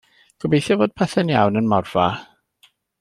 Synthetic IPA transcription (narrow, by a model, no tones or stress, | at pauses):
ɡ̥ʰɔbejθjɔvoːd̥̚pʰɛθɛnja̰wnənmɔrv̥a